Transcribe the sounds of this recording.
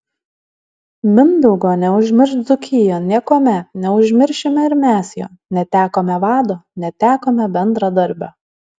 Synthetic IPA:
mʲɪnd̪ɔʊɡoːnʲɛʊʒʲmʲɪɾʃzʊkʲɪjoːnʲiɛkoːmʲɛnʲɛʊʒʲmʲɪɾʲʃʲɪmʲɛɪɾmʲæːsjo̰ːnʲɛt̪ʲæːkoːmʲɛʋɑːd̪oːnʲɛt̪ʲæːkoːmʲɛbʲɛnd̪ɾɑd̪ɐɾʲbʲoː

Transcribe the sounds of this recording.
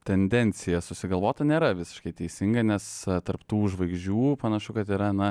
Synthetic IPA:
t̪ʲɛnʲd̪ʲɛnʲt͡ssʲɪjɛsʊsʲɪɡɐlˠʋoːt̪ɐnʲeːɾɐʋʲɪsʲɪ̥ʃkɐɪt̪ʲɛɪsʲɪŋɡɐnʲɛst̪ɐrpt̪uːʒʋɐɪɡʒd͡ʒʲuːpɐnɐʃʊkɐt̪iːɾɐnɐ

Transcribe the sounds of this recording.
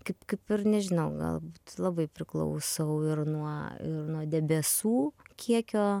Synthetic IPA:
kɐɪpkɐɪpɪɾnʲɛʒʲɪnɐʊɡɐ̰lˠbuːt̪lˠɐbɐɪpʲɾʲɪklˠɐ̰ʊsɐʊɪɾnuɔɪ̰ɾnuɔd̪ʲɛbʲɛsuːkʲʰiɛkʲoː

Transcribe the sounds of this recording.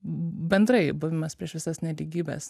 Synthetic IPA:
bʲɛnd̪ɾɐɪbʊʋʲɪmɐspʲɾʲiɛʃʋʲɪsɐsnʲɛlʲiɡʲiːbʲɛ̰s

